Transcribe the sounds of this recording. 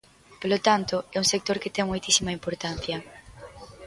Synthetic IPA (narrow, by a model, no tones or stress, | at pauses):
polot̪ant̪ʊɛuŋsek̚t̪oɾket̪ɛŋmojt̪isimɐimpoɾt̪an̟θjɐ